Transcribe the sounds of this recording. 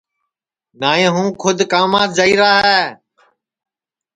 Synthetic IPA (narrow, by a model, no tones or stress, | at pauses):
naːẽːɦũːkʰʊd̪kaːmaːt̪̚d͡ʒəiːɾaːɦɛː